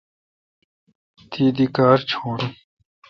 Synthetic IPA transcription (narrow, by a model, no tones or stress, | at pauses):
t̪ʰiːd̪ikaːɾt͡ɕʰoːɽ